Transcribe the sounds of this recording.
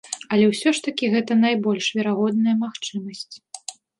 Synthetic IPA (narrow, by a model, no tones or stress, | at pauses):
ɐlʲɛwsʲɔʂt̪ɐkʲiɣɛt̪ɐnajbɔlʲʂvʲɛɾaɣɔd̪̚nɐjɐmaxt͡ʂɨmɐsʲt͡sʲ